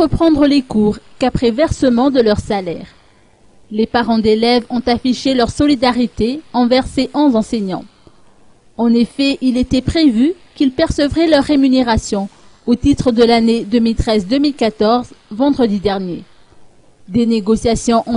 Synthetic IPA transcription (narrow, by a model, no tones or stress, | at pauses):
əpχɑ̃d̪ʁəlekuːʁkapχɛvɛʁsəmɑ̃d̪əlœʁsalɛ̰ʁ | lepaʁɑ̃d̪elɛvɔ̃t̪afiʃelœʁsɔlid̪aʁit̪eɑ̃vɛʁseʔɔ̃zɑ̃seɲɑ̰̃ | ɑ̃nefɛʔilet̪ɛpχevy | kilpɛʁsəvʁɛlœʁːemyneʁasjɔ̃ | ot̪it̪χəd̪əlaned̪ømilt̪χɛzd̪əmilkat̪ɔʁzvɑ̃d̪ʁəd̪id̪ɛʁnje | d̪eneɡɔsjasjɔ̃ʔɔ̃